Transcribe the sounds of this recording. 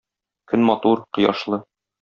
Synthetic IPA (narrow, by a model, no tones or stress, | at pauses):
kɵnmɒt̪uɾqɤ̆jɑ̰ʃlˠɤ